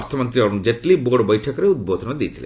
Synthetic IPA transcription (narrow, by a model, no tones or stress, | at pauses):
ɾt̪ʰɔmɔnt̪ɾiɔɾunud͡ʑeʈliboɽbɔjʈʰɔkɾeud̪bod̪ʱɔnad̪ijt̪ʰilḛ